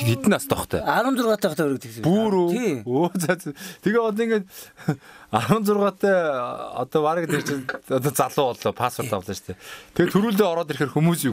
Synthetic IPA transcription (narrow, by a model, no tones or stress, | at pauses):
ɡet̪ɘ̆nast̪ɔχt̪ʰœ̰aɾə̆nt͡sʊrʁaːt̪ʰæːɔχt̪ʰæuɾ̆kt̪ʰĭspuːɾuioːt͡sat͡st̪ʰeɣeːɔt̪̬ɔiŋɡeːt̪ | aɾə̆nt͡sʊrʁaːt̪ʰːæːɔ̰t̪ɔːpaɾə̆kt̪ekt͡ɕɔt̪̬ɔːt͡saɮʊːɔɮɔːpʰaspʰɔ̆r̥t̪ɔwɮə̆ːt͡ɕt̪ʰɛːt̪ʰeet̪ʰuɾuːɮt̪̬eːɔɾɔːt̪erxeːrxumuːsu